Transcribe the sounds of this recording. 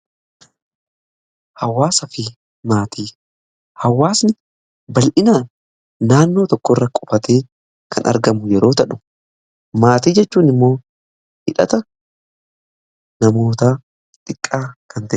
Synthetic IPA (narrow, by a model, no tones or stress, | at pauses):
hɐwːaːsɐfɪ | maːt̪ʰiː | hɐwːaːsnɪ | bɐlʔɪnaːn | naːnːo̞ːt̪ɔkːɔrːɐkʼɔfɐt̪eː | kʰɐnʔɐ̰ɾɡɐmʊjɛɾo̞ːt̪ɐᶑʊ̥ | maːt̪iːd͡ʒɛt͡ʃːuːnɪmːo̞ː | hɪᶑɐ̰t̪ɐ | nɐmo̞ːt̪aː | ᶑ̪ʼɪkʼːaːkɐnt̪ɐ